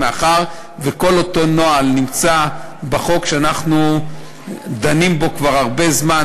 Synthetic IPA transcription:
eaχaʁ | veko̞loto̞no̞alnimt͡sabaχo̞kʃeanaχnu | d̪animbo̞kvaʁaʁbe̞zma

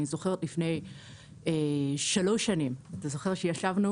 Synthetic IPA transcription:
nizo̞χe̞ʁetlifne̞j | eʃalo̞ʃanimat̪azo̞χeʁʃejaʃavnu

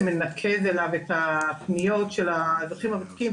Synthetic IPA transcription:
menakʰezelavetapnijo̞tʃelazaχimabat̪i̥kim

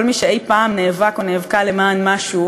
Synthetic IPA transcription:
olmiʃeejpaːmneːvakoneːvkalemaːnmaʃu

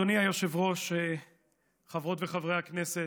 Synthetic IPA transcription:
oniajoʃevʁo̞ʃe | χavʁo̞t̪veχavʁejhaknese

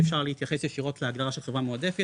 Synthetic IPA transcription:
efʃaʁleit̪jaχesjeʃiʁo̞t̪leaɡdaʁaʃelχevʁamoad̪e̞fe

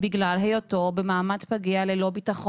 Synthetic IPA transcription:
biɡlalɦejotobemaːmatpaɡialelo̞bitaχo

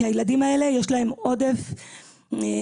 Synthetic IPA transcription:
ajeladimae̞le̞jeʃlaɦe̞mo̞d̪e̞f

